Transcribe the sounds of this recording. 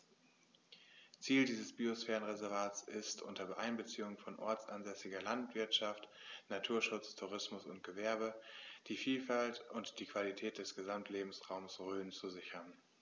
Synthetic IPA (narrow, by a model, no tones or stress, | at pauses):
t͡siːldiːzəsb̥iosfɛːʁənʁɛzɛɐvaːtt͡sɪstʔʊ̰ntɐbʔaɪnbət͡siːʊŋfɔnʔɔɐt͡sʔanzɛsɪɡɐlantv̥ɪɐtʃaftnatʰuːɐʃʊt͡stʰuʁ̞ɪsmʊsʊnt̚ɡ̥əvɛɐbəd̥iːfiːlfaltʊntd̥iːkv̥alitʰɛːt̚d̥ɛsɡ̥əzamtʰleːbm̩sʁaʊmsʁøːnt͡suzɪçɐn